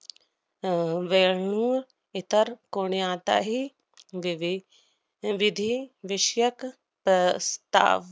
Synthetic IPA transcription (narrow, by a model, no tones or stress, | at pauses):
ʋeɳuː | ɪt̪əɾkoːɳiãːt̪a̰ɦi | ʋʋ | ʋɪd̪ʱiʋɪʃjək | pɾɐst̪a̰ːʋ